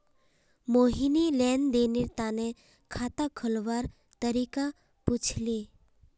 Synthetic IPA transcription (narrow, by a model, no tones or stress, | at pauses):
moɦinilɛnd̪eniɾt̪ane | kʰat̪akʰəlʋaɾ | t̪əɾika | put͡ʃʰli